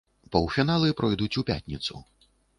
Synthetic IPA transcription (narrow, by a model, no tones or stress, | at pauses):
pɐwfʲinalˠɨpɾɔjd̪ut͡sʲupʲa̰t̪ʲnʲit̪sṵ